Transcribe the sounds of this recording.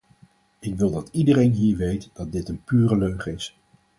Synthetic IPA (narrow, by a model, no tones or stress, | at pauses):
ɪkʋɪlˠdɑtidərejnɦiːɹʋejtd̥ɑt̚dɪtənpyːrəløɥχəɪs